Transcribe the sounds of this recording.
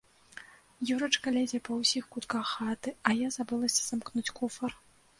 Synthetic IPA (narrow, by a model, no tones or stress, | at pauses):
juɾɐt͡ʂkalʲad͡zʲɛpɐwsʲixkut̪kaxat̪ɨɐjazabɨlˠɐsʲɐ̥z̥amknut͡sʲkufɐr